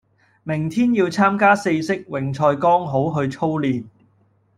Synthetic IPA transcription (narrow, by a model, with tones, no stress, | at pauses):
mɪ˨˩ŋt̪ʰiː˥njiː˧wt͡sʰaː˥mkaː˥se˧jsɪ˥k̚wɪ˨˩ŋt͡sʰɔː˧jkɔː˥ŋɦo˨˥wɦɵ˧ɥt͡sʰo˥wliː˨n